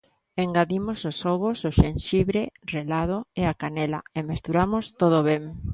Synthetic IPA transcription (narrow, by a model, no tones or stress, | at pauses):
eŋɡaðimososoβosoʃenʃiβɾerelað̞oeakanela̰emest̪uɾamost̪oð̞oβeŋ